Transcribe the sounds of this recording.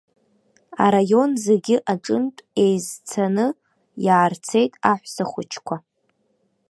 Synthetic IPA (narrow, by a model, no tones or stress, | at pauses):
a̰ɾajo̞nzeɡʲɪʔaʈ͡ʂʼɨntʼe̞jzt͡sʰanɨ | jaːrt͡sʰe̞jtʼaħʷsaχʷʊt͡ʃʰkʷʰa